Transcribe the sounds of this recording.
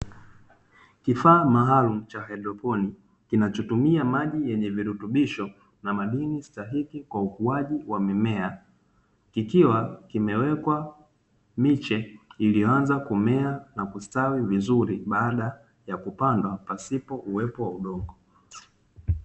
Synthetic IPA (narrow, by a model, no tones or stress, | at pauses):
kifaːmaɦalum̩t͡ʃahɛɗɾɔpɔni | kinat͡ʃɔtumiamaʄijɛɲɛviɾutuɓiʃɔ | namaɗinistaɦikikwaukuaʄiwamimɛa | kikiwakimɛwɛkwa | mit͡ʃɛilijɔanzakumɛanakustawivizuɾiɓaːɗa | jakupandwapasipɔʔuwɛpɔwauɗɔŋɡɔ